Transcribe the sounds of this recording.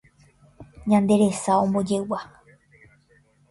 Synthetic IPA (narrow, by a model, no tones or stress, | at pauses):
ɲãnd̪e̞ɾe̞saõ̞mbõd͡ʒe̞wa